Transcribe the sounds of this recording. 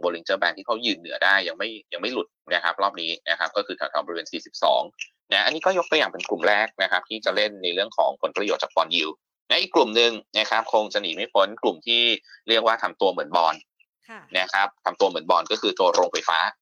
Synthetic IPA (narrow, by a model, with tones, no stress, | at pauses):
bɔː˧li˧t͡ɕɤː˥˩bɛː˧nt̪ʰiː˥˩kʰa˦˥wjɯː˧nːɯ˨˩˦ɐdaː˥˩jːa˧ŋma˥˩jja˧ŋma˥˩jlu˨˩t̪̚na˦˥kʰa˦˥p̚ɾɔː˥˩p̚niː˦˥na˦˥kʰa˦˥kɔː˥˩kʰɯː˧t̪ʰaː˨˩t̪ʰaː˧˩bɔː˧weː˧nsiː˨˩si˨˩p̚sɔ̰ː˩˦ŋ | na˦˥ʔa˧nːiː˦˥kɔː˥˩jo˦˥k̚t̪u˧əjaː˨˩ŋpe˧nklu˨˩mɾɛː˥˩k̚na˦˥kʰa˦˥p̚t̪ʰiː˥˩t͡ɕa˨˩le˥˩nːa˧jɾɯ˥˩əŋkʰɔ̰ː˩˦ŋpʰo˩˦npɾa˧jo˨˩t̪̚t͡ɕaː˨˩k̚pɔː˧nji˧w | na˦˥ʔi˨˩kːlu˨˩mnɯ˨˧ŋna˦˥kʰa˦˥p̚kʰo˧ŋsa˧niː˨˩˦ma˥˩jpʰo˦˥nklu˨˩mt̪ʰiː˥˩ɾi˥˩ək̚waː˥˩t̪ʰa˧mt̪u˧mɯ˨˩˦nbɔː˧nː | a˦˥kʰa˦˥p̚t̪ʰa˧mt̪u˧ɐmɯ˩˦ənbɔː˧nkɔː˥˩kʰɯː˧t̪oː˧ɾoː˧ŋfa˧jfaː˦˥